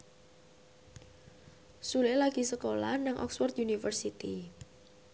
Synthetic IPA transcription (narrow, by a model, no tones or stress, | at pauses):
sulelaɡ̥i̤səkola̰naŋʔɔ̰ksfɔrt̪junifərsit̪i